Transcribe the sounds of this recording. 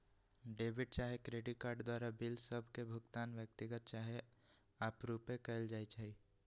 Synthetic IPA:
ɖeːʋɪɖ̚t͡ʃaːɦekɾeːɖɪʈ̚kaːɾɖd̪waːɾabɪlsəbʱkebʱʊɡt̪aːnʋjək̚t̪ɪɡət̪̚t͡ʃaːɦe | aːpɾuːpẽkəld͡ʒaːit͡ʃaːiː

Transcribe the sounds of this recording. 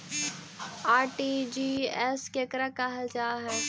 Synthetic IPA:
aːɾʈiːd͡ʒiːɛskekɾakaɦad͡ʒaːɦɛː

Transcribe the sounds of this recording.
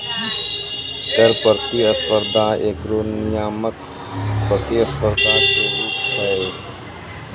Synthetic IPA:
t̪əɾpəɾt̪iəspəɾd̪ʱãːʔeːkɾoːnijaːmək | pət̪iəspəɾd̪ʱãːseːɾiːt͡ʃʰəe

